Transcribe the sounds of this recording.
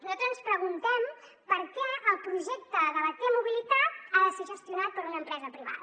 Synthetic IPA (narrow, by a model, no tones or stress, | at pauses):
nuzalt̪ɾzənspɾəɣ̞unt̪ɛm | pəɾkɛəlˠpɾuʒɛk̚t̪əðəβət̪emuβilit̪at̪aðəseʒəst̪iunat̪̚pəɾunəmpɾɛzəpɾiβ̞a̰ðə